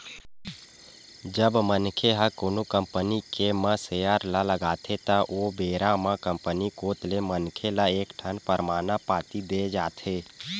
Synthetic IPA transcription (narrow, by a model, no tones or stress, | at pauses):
d͡ʒəbmənkʰeɦəkoːnukə̃mpənikemə̃sejəɾlaləɡaːt̪ʰet̪əʔobeːɾamãkə̃mpənikoːt̪lemənkʰelaeːkʈʰənpəɾmaːnapaːt̪id̪eːd͡ʒaːt̪ʰeː